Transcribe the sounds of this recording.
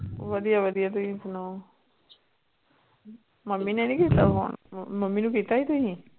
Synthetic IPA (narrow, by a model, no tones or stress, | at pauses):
ʋəd̪ijaʋəd̪ijat̪̬uɦĩsno | məmːinɛnĩkit̪ao̰nməmːinũkit̪ait̪uɦĩ